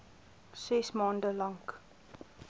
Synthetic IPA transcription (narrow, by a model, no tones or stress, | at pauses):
sɛsmɑːndəlɑŋk